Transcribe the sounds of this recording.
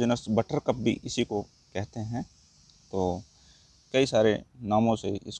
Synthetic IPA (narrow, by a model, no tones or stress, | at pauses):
d͡ʒɪnəsbɐʈəɾkɐp̚bʱḭʔɪsiko | kɛɦt̪eɦɛ̃ | t̪oː | kɐisaːɾenaːmõseɪ̰s